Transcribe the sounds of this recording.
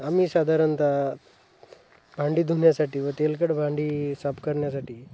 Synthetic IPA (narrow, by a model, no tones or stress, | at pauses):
amiːsad̪ʱaɾənt̪a | bʱãɳɖiːd̪ʱuɳjasaʈiːʋət̪elkəɽbʱãɳɖiːsapkəɾɳjasaʈiː